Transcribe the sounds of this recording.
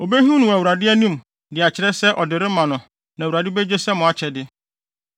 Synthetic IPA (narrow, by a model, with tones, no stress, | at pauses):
o˨be˦ɦũ˦nʊ̃˨wæ˨wu˨ɾa˨dɪ˦æ˦nũ˦˨m | dɪ˨a˨t͡ɕʰɪ˨ɾɛ˦sɛ˦ʔɔ˨dɪ˨ɾɪ˦mã˨nʊ̃˨ | nã˨wu˨ɾa˨dɪ˦be˦d͡ʑe˦sɛ˦mʊ̃˨a˨t͡ɕʰɛ˨dɪ˦